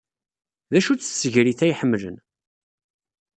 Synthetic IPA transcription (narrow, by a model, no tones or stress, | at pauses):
ðæʃut͡sːsːəʝɾiθæjħəmːlə̰n